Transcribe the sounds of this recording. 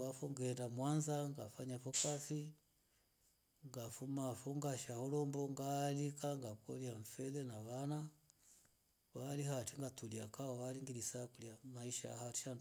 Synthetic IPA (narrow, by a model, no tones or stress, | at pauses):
afɔŋɡɛɛndamwanzaŋɡafaɲafɔkafi | ŋɡafumafɔŋɡaʃahɔlɔmbɔŋɡaːlikaŋɡakɔ̰liaɱ̩fɛlɛnaβana | walihatiŋɡatuliakaɔwaliŋɡilisakuliamaiʃa̰hati̥ʃand